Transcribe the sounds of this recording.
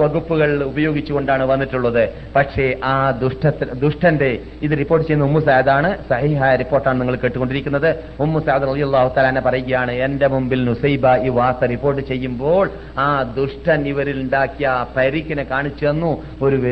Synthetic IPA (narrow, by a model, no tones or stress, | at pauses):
ʋɐɣupːuɣɐɭubɐjo̞ːɡit͡ɕːuɣo̞ɳɖaːɳɨʋɐnːiʈːuɭːɐðɨ | pɐʈʂe̞ʔaːd̪uʂʈɐt̪ːd̪uʂʈɐnde̞ | iðɨripːo̞ːrʈːɨt͡ɕe̞junːɐumːus̬aːɐd̪aːɳɨsɐhiːɦaːjɐɾipːoːrʈːaːɳɨniŋːɐɭke̞ːʈːuko̞ɳɖiɾikʲːunːɐðɨ | umːusaːɐd̪rɐðijɐlːaːhut̪aːlaːnːepɐrɐjuɣɐjaːɳɨe̞nde̞mumbilnusɐjbaiːʋaːk̪ːɐripːo̞ːrʈːɨt͡ɕe̞jːumbo̞ːɭ | aːd̪uʂʈʰɐniʋɐɾiluɳɖaːkʲːijɐpɐɾikʲːɐnekaːɳit͡ɕːuenːu | o̞ɾuʋe